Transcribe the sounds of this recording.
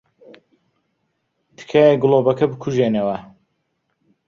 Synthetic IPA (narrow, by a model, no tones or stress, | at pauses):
t̪ʰɨ̥kʰaːjeɡɨloːbɐkʰɐbɨkʰuʒeːnewɐ